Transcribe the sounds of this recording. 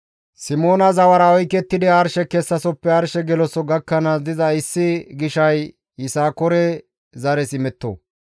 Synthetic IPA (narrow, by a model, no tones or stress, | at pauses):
sɪmoːnɐzɐwɐɾɐɔjkɛt̪ːɪd̪ɪɐɾʃɛkɛsːɐsɔpːɛɐɾʃɛɡɛlɔsɔɡɐkːɐnɐd̪ɪzɐɪsːɪɡɪʃɐj | jɪsaːkɔɾɛ | zɐɾɛsɪmɛt̪ːo̰ː